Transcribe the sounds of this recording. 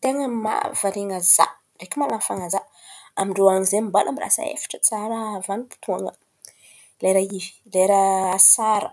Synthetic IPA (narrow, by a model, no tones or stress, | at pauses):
t̪eŋəma̰vaɾeŋaza̰ | rekʲimalanfaŋaza | amiɳɖ͡ʐoaɲizemimbalʔamira̰sə̰ḛfḁʈ͡ʂət͡saɾəvanipu̥t̪ʰuaŋə | leɾaivi̥leɾəasaɾə